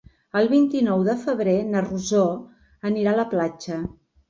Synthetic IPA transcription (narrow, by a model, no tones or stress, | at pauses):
əlˠβint̪inɔwðəfəβ̞ɾenəruzɔ | əniɾaləplad͡ʒə